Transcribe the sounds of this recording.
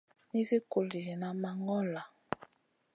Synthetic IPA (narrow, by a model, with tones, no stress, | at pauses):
ni˦zi˦ko˨li˨ɣi˨na˨ma˨ŋɔ˦la˨